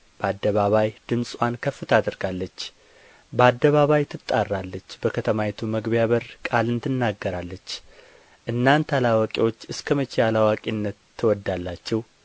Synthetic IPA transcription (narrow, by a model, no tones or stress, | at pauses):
b̥əad̪ːəβaβajd̪̥ɨmsʼwankʰəfːɨt̪ʰad̪ɨɾɡalːət͡ʃː | bəad̪ːəβaβajt̪ʰɨt̪ʼːarːalːət͡ʃːbəkʰət̪ʰəmaɛt̪ʰuməɡβijaβəɾkʼalɨnt̪ʰɨnːaɡːəɾalːət͡ʃː | ʔɨnːant̪ʰalawəkʼiwo̞t͡ʃːɨskʰəmət͡ʃːejalawakʼinːət̪ʰːɨwɔd̪ːalːat͡ʃːɛw